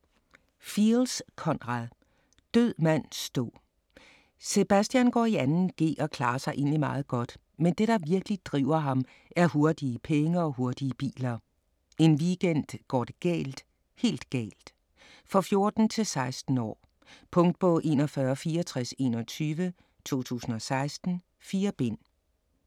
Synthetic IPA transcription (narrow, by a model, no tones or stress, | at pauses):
filskʰɒ̽nʁɑðˠ | d̥øð̰ˠmæn̰sd̥ɔ̰ | se̝b̥æsd̥jænɡ̥ɒ̰ːiænn̩ɡ̥e̝̰ːɒ̽kʰl̥ɑ̈ːɐsɑ̈ɪʔe̝̰ːnlimɑ̈ːð̩ˠɡ̥ɒ̽d̥ | mend̥e̝ɾ̥ɑ̈ʋiɐɡ̥lid̥ʁḭʊ̰ɐɦɑ̈m | ʔæɐɦo̝ɐd̥iəpʰeŋəɒ̽ɦo̝ɐd̥iəb̥ḭːlɐ | e̝nʋiɡ̥en̰d̥ɡ̥ɒ̰ːd̥eɡ̥ɛ̰ːld̥ | he̝̰ːld̥ɡ̥ɛ̰ːld̥ | fʁɑfjo̝ɐd̥n̩t͡sʰe̝lsɑ̈ɪsd̥n̩ɒ̰ː | pʰɔ̽ŋ̰d̥̚bʰɔ̽ʔe̝̰ːnɒfɶːɐfiːɒt͡sʰʁɛse̝ːnɒ̽t͡sʰyːʋə | t͡sʰo̝̰ːt͡sʰṵːsn̩ɒ̽sɑ̈ɪsd̥n̩ | fiːɐb̥e̝n̰